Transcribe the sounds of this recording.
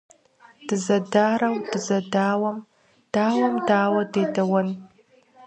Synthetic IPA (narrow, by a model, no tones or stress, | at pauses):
d̥ɨzɐdaːɾɐwdɨzɐdaːwɐm | d̥aːwɐmdaːwɐdeːdɐwɐn